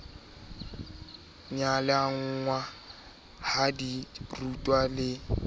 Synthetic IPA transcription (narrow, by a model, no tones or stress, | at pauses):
ɲalɛaŋ̩ŋwa | hadirutʼwalɪ